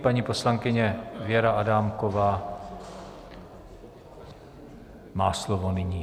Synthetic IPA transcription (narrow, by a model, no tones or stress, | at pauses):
paɲiːposlaŋkɪɲɛvɪɛɾaʔadaːmkovaː | maːslovonɪɲiː